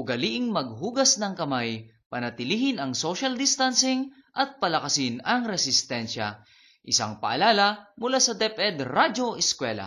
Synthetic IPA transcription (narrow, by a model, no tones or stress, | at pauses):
ʔʊɡɐliʔɪŋmɐɡ̚ɦuːɡɐsnɐŋkɐmaj | pɐnɐt̪ɪliːhɪnɐŋsoʃɐld̪ɪst̪ansɪŋ | ʔɐt̪̚pɐlɐkɐsɪnɐŋɾɛsɪst̪ɛnʃa̰ | ʔɪsa̰ŋpɐʔalaːlɐmʊlaːsɐd̪ɛpʔɛd̪ɾad͡ʒoʔɛskwɛːla̰